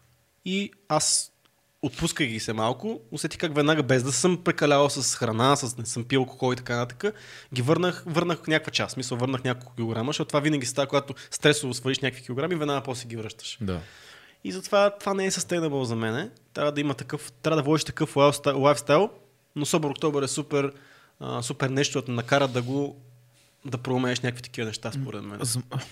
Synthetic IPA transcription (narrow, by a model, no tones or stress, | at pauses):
i | as | ot̪̚puskəɡʲisɛmalˠkʊʊsɛt̪i̥kakvɛd̪naɡəbɛzd̪ɐsɤmpɾɛkɐlʲavəlˠsəsxɾɐnasəsnɛsɤmpilˠkʊ̥xɔlˠit̪ɐkanɐt̪at̪ə̥kə | ɡʲivɤɾnəxvɤɾnəxfnʲjakvət͡ʃassmisəlˠvɤɾnəxnʲakolˠkʊ̥kʲilˠoɡɾaməʃɔt̪ːt̪ːvavinəɡʲisst̪avəkoɡat̪ʊst̪ɾɛsʊvʊsvəɾliʃnʲakəkvikʲilˠoɡɾamivɛd̪naɡəpɔst̪ɛɡʲivɾɤʃt̪ə̥ʃd̪a̰ | izɐt̪ovat̪ovanɛɛsəst̪ɛɡnəbəzɐmɛnɛt̪ɾʲʔavəd̪ɐimət̪ɐkɤft̪ɾʲavəd̪ɐvɔd̪iʃt̪ɐ̥kɤfafslˠajfst̪ajlˠ | nosɔboɾokt̪ɔbəɾɛsupɛɾ | ə̰supɛɾnɛʃt̪oət̪nɐkaɾəd̪ɐɡo | d̪ɐpɾoːmɛɛʃnʲakvʲfit̪ɐ̥kʲivənɛʃt̪aspoɾɛ̰t̪mɛ̰n